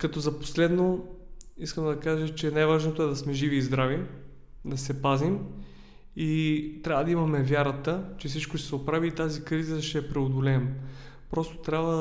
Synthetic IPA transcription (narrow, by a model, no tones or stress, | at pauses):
kɐt̪ɔzɐpo̥slɛd̪no | iskəmd̪ɐkaʒət͡ʃɛnajvaʒnot̪oɛd̪ɐsmɛʒiviːzd̪ɾavi | d̪ɐsɛpazim | it̪ɾʲabvəd̪ɐimɐmɛvʲjaɾət̪ət͡ʃɛfsit͡ʃkoʃt̪ɛsɛopɾaviːt̪azikɾizəʃt̪ɛpɾɛod̪olɛːm | pɾɔst̪o̥t̪ɾʲabvə